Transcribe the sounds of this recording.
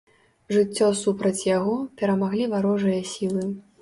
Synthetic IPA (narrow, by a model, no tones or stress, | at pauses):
ʐɨt͡sʲːɔsupɾɐt͡sʲjaɣɔpʲɛɾɐmaɣlʲivaɾɔʐɨjɐsʲilˠɨ